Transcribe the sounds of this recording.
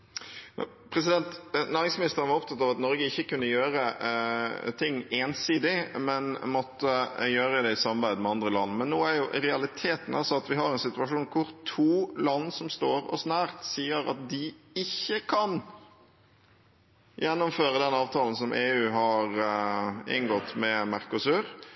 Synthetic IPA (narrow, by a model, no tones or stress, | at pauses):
pʰɾɛs̬ɪd̪ɛnt̪næːɾɪŋsmɪnɪst̪əɾənʋɑɾɔpt̪ʰɑt̪ːɑʋɑt̪nɔɾɡəɪçːəkʉnːəjøːɾə | t̪ʰɪŋːeːnsiːd̪ɪmɛnmɔt̪ːəjøːɾəd̪ɛɪsɑmːɑɾbæɪd̪mɛɑnd̪ɾəlɑ̰nːmɛnːoːæɾjʊɾɛɑlɪt̪ʰeːt̪nʔɑ̰lsɔɑt̪ʋɪhɑɾɛnsɪt̪ʉɑʂuːnkʰʊɾt̪ʰuːlɑnːsɔmst̪oːɾɔ̰snæːʁt̪siːəɾɑ̰t̪̚d̪ɪɪçːəkʰɑn | jɛnːʊmføːɾəd̪ɛnɑːʋt̪ʰɑːlən̩sɔmʔeːʉːɦɑɾ | ɪ̰ŋɡɔt̪ːmɛmæɾkʊsʉːɾ